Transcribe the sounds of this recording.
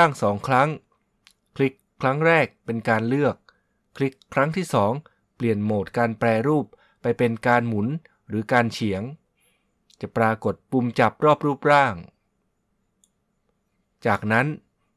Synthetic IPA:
a˥˩ŋsɔː˩˦ŋkʰɾa˦˥ŋ | kʰli˦˥kʰːɾa˦˥ŋɾɛː˥˩k̚pe˧nkaː˧nlɯ˥˩ək̚ʰː | li˦˥kʰːɾa˦˥ŋt̪ʰiː˥˩sɔː˩˦ŋ | pli˨˩ənmoː˨˩t̪̚kaː˧nplɛː˧ɾuː˥˩pː | a˧jpe˧nkaː˧nmu˩˦n | ɾɯː˩˦kaː˧nt͡ɕʰi˩˦əŋ | t͡ɕa˨˩ʔpɾaː˧ko˨˩t̪̚pu˧mt͡ɕa˨˩p̚ɾɔː˥˩p̚ɾuː˥˩p̚ɾaː˥˩ŋ | t͡ɕaː˨˩k̚na˦˥n

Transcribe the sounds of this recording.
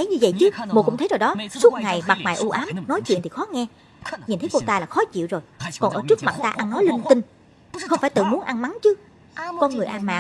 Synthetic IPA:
ə˨˦jɲɨ˧və̰˧˨jt͡ɕɨ˨˦mo˧˩kʊ̰˧˥ŋ͡m̪ʰə˨˦jzo˨˩ɗɔ˨˦su˦˥ət̚ŋa˨˩jma˨˩ma̰ː˨˩jʔu˧ʔaː˨˦mnɔ˨˦jt͡ɕwḭ˧ənt̪ʰi̥˨˩xɔ˨˦ŋɛ˧ | ɲi˨˩nt̪ʰə˨˦ko˧t̪aː˧laː˨˩xɔ˨˦t͡ɕḭ˧˨wzo˨˩jkɔ˨˩nʔəː˧˩t͡ɕɨ˦˥ək̚ma˨˩t̚t̪aː˧ʔa˧nːɔ˨˦jli˧ŋt̪ï˧ŋ | xə˧wŋ͡mfaː˧˩jt̪ɨ̰˧˨mu˨˦ənʔa˧nma˨˦nt͡ɕɨ˨˦ | kɔ˧nŋɨ˨˩əjʔaː˧nma̰ː˧˨

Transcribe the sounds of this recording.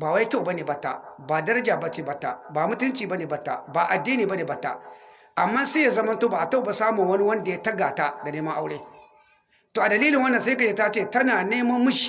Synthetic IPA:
baː˨wa˦jta˦˨ba˦neː˨bɐ˦tːa̰˦baː˨dɐ˦ɾɐ˦d͡ʒaː˨ba˦t͡ʃeː˦bɐ˦tːa̰˦ba˨mʊ˦tʊ˦nt͡ʃiː˨ba˦neː˨bɐ˦tːa̰˦ba˨ʔa˨dːiː˦niː˨bɐ˦neː˨bɐ˦tːa̰˦ | ʔa˨mːaː˦se˦ja˨zɐ˦mɐ˦ntoː˦ba˨ʔa˨ta˦˨ba˨saː˦mu˨wɐ˦ni˦wɐ˦nda˨ja˦tɐ˦ɡa˨ta˦da˨neː˦mɐ˦ʔa˦wɽeː˦ | toː˨ʔa˨dɐ˨liː˦lɪ˨ŋwɐ˦nːɐ˨nsa˦ka˨d͡ʒe˦ta˦t͡ʃeː˦˨tɐ˦naː˨neː˦mɐ˦mmːʊ˦ʃi̥˨

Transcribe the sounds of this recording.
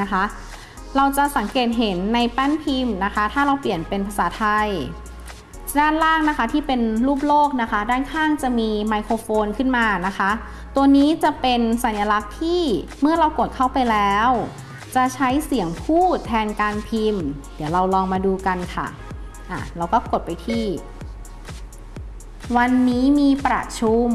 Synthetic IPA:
a˦˥kʰa˦˥ | ɾa˧wt͡ɕa˨˩sa˩˦ŋkeː˨˩t̪̚ɦe˨˩˦nːa˧jpɛ˥˩npʰi˧mna˦˥kʰa˦˥t̪ʰaː˥˩ɾa˧wpli˨˩ənpe˧npʰa˧saː˩˦t̪ʰa˧j | daː˥˩nlaː˥˩ŋna˦˥kʰa˦˥t̪ʰiː˥˩pe˧nluː˥˩p̚loː˥˩k̚na˦˥kʰa˦˥daː˥˩nkʰaː˥˩ŋt͡ɕa˨˩miː˧ma˧jkʰoː˧foː˧nkʰɯ˥˩nmaː˧na˦˥kʰa˦˥ | t̪u˧ɐniː˦˥t͡ɕa˨˩pe˧nsa˩˦nja˧la˦˥k̚t̪ʰiː˥˩ | mɯ˥˩ɐɾa˧wko˨˩t̪̚kʰa˥˩wpa˧jlɛː˦˥w | t͡ɕa˨˩t͡ɕʰa˦˥jsi˨˩˦əŋpʰuː˥˩t̪ʰɛː˧nkaː˧npʰi˧mdi˨˩˦əwɾa˧wlɔː˧ŋmaː˧duː˧ka˧nkʰa̰˥˩ | ʔa̰˨˩ɾa˧wkɔː˥˩ko˨˩t̪̚pa˧jt̪ʰiː˥˩ | wa˧nːiː˦˥miː˧pɾa̰˧˩t͡ɕʰu˧˥m

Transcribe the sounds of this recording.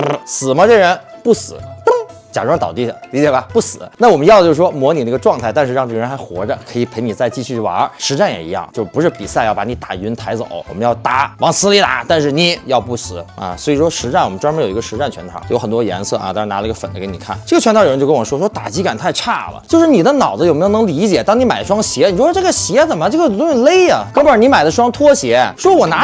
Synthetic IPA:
sɹ̩˨˩mə˦˧ʈ͡ʂɤ˥˩ɻə˧˥npu˥˩sɹ̩˨˩˦t̪ə˥ŋt͡ɕja˨˩ʈ͡ʂt̪ɑ˨˩t̪i˥˩li˧˥t͡ɕjɛ˨˩bɐ˧pu˥˩sɹ̩˨˩˦na˥˩wɔ˨˩m˦jɑ˥˩˧d̪ət͡ɕo˥˧˩ʂwɔ˥mwɔ˧˥ni˨˩ə˥˧˥ɡə˧ʈ͡ʂwɑ˥˧ŋt̪ʰa˥˧ɪt̪a˥˧nʂɻ̩˥˧ɻɑ˥˧ŋʈ͡ʂɤ˥˩ə˧ɻə˧˥nxa˧˥ɪxwɔ̰˧˥də˧kʰɤ˧˥i˨˧˩pʰe˧˥ɪni˨˩t͡sa˥˧ɪt͡ɕi˥˧ɕʰy˥˩wɑ̰˧˥ʂɻ̩˧˥ʈ͡ʂa˥˩njɛ̰˨˩ḭ˧˥jɑ̰˥˩ŋt͡ɕjo˥˧ʊʂpu˧˥ʂɻ̩˥˩pḭ˨˩sa˥˧ɪjɑ˥˩ʊpa˧˥ni˧˥t̪a˨˩y˧˥nt̪ʰa˧˥ɪt͡so̰˨˩˦ʊwɔ˨˩mə˦njɑ˥˩ʊt̪a˧˥wɑ˧˥ŋsɹ̩˧˥li˧˥t̪a̰˧˥t̪a˥˧nʂɻ̩˥˩ni˨˧˩jɑ˥˧ʊpu˥˩sɹ̩˨˩˦ɐ̰˧swɔ˧˥i˨˩ʂwɔ˥ʂɻ̩˧˥ʈ͡ʂa˥˩nwɔ˨˩mə˦nʈ͡ʂwə˧˥njo˨˩˧i˧˥ə˧ʂɻ̩˧˥ʈ͡ʂa˥˩nt͡ɕʰɥɛ˧˥nt̪ʰɑ̰˨˩˥jo˧˥xə˨˩nt̪wɔ˥jɛ̰˧˥nsɤ˥˩ʔɐ̰˧t̪a˥˧ɻna˧˥ə˧ɡə˧fə˨˩nlə˧˥kni˨˩kʰa̰˥˩nʈ͡ʂɤ˥˩ɡə˩t͡ɕʰɥɛ˥t̪ʰt͡ɕo˥˧kə˥˩ɔ˨˩˨ʂwɔ˥ʂwɔ˥t̪a̰˨˩t͡ɕi˧˥ka˨˩nt̪ʰa˥˧ɪʈ͡ʂʰa̰˥˩lə̰˩t͡ɕjo˥˧ʊʂɻ̩˥˩ni˨˩d̪ə˦nɑ˨˩ʊd͡zə˥jo˨˩m˧˥jo˧nɤ˧˥ŋli˧˥t͡ɕjɛ˨˩t̪ɑ˥ŋni˧˥ma˨˩ɪd̪ə˦ʂwɑ˥ŋɕjɛ˧˥ni˨˩wɔ˥ʈ͡ʂɤ˥˩ɡə˩ɕjɛ˧˥t͡sə˨˩mə˦ʈ͡ʂɤ˥˩ɡə˧˩t̪ʊ˥ŋɕi˥˩le˥ɪɐ˨˩kɤ˥pu˧˩ə˞˨˧˥ni˧˥ma˨˩ɪd̪ə˦ʂ̬wɑ˥ŋt̪ʰwɔ˥ɕjɛ˧˥ʂwɔ˥wɔ˨˩na˧˥

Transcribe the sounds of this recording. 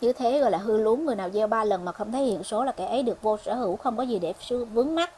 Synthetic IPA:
ɲɨ˧t̪ʰe˨˦ɣɔ̰˧˨jlaː˨˩ɦɨ˧lu˨˦ənŋɨ˨˩əjnaː˨˩wzɛ˧wɓaː˧lə˨˩nmaː˨˩xə˧wŋ͡mt̪ʰə˨˦hḭ˧˨ənso˨˦laː˨˩kaː˧˩jʔə˨˦jɗɨ˨˩ək̚vo˧sə̰ː˧˩hɨ˧˩wxə˧wŋ͡mkɔ˨˦zi˨˩ɗe˧˩sɨ˧vɨ˨˦əŋma˦˥t̚

